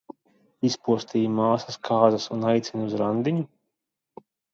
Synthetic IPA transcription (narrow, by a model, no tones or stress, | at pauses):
ispuɔst̪iːjmaːsɐskʰaːzasunajt̪sʲinuzɾand̪iɲu